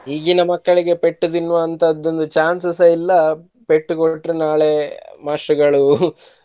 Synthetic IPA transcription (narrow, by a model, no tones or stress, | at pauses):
ɦiːɡinɐmɐkːɐɭiɡe̞pe̞ʈːud̪inʋɐːnt̪ɐːd̪ːo̞nd̪ut͡ʃaːnsɐsɐilːɐ | peʈːukoʈːɾunaːɭemaːʂuɡɐɭu